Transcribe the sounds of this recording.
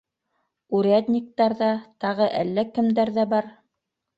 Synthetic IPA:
uɾæd̪ʲnʲik̚t̪ɑɾðɑt̪ɑʁɤʔælːækɘ̆md̪æɾðæbɑɾ

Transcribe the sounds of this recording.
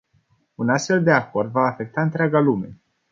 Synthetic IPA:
unast̪fe̞ld̪e̞ako̞rd̪vaːfe̞k̚t̪aɨnt̪ɾʲeaɡalume̞

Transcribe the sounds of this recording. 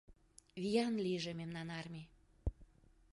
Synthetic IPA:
βijɑnliʒememnɑnɑrmʲe

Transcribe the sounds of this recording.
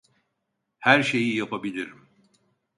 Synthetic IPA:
hæɾʃe̞jijapʰabilʲiɾim

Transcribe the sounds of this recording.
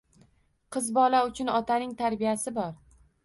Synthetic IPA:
qʰɨzbɒlaʊt͡ʃʰʊnɒt̪ʰanɪŋt̪ʰaɾbijasɪbɒɾ

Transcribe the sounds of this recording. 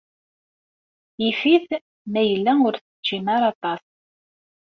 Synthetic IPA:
ifið | mæjəlːæʊɾθə̥d͡ʒimaɾˤɑt̪ˤɑs

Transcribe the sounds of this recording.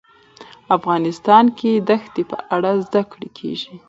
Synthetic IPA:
afɣɑnɪst̪ɑnked̪axt̪epə̰ʔaɽazd̪akɽekʰḛʒi

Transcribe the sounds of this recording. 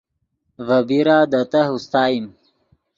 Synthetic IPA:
vɐbiɾaːd̪ɐt̪aɦust̪aːjim

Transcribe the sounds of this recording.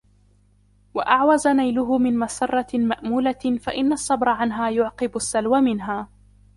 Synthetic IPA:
waʔaʕwazanajlʊɦʊmɪnmasɑrˤːɑmaʔmuːlafaʔɪnːasˤːɑbɾˤɑʕanɦaːjʊʕqɨbʊsːalwamɪnɦaː

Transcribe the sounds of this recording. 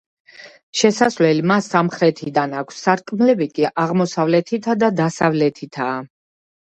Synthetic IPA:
ʃɛsasvlɛlimasːamχɾɛt̪ʰid̪anakʷʰsːaɾkʼmlɛbikʼiʔaʁmɔsavlɛt̪ʰit̪ʰad̪ad̪asavlɛt̪ʰit̪ʰaː

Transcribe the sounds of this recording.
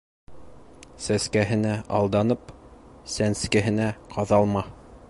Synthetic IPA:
sæskæɦɘ̆næʔɑ̰lˠd̪ɑnɤpsænskæɦɘ̆næqʰɑðɑlˠmɑ

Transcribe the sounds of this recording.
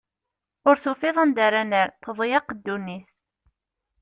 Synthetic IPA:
ʊɾθʊfɪðˤənd̪aɾænəɾθəðˤjɑqd̪ːunːiθ

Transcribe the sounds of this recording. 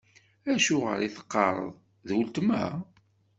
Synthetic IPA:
æʃʊʁə̰ɾiθə̥qːɑɾˤə̰ðˤ | ðwəlt̪mæ̰

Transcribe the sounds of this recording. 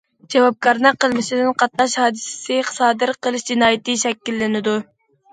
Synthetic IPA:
d͡ʒɑwɑp̚kʰɑɾnɨqəlˠmɪʃɪd̪ɪnqʰɑt̪̚nɑʃhɑːd̪ɨsɪ̥sɪχsɑːd̪ɨɾqʰəlˠɨʃd͡ʒinɑːjit̪ɨʃɛkʲːilːɪnɪd̪u

